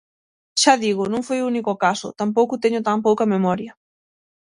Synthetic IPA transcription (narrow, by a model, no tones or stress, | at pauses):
ʃaðiɣʊnõŋfojunikokasʊ̰t̪amp̬owkʊt̪eɲʊt̪ampowkɐmemɔɾjɐ